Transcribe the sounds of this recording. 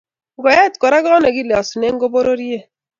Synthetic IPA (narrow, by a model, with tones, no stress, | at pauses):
ŋ˨ɡɔ˨ja˦˨tkɔ˨ɾa˦ɡɔ˦ɔ˦ne˨ɡi˦le˨ɔ˨su˨ne˦ŋ̩˦ɡo˦bo˦ɾo˦ɾje˦˨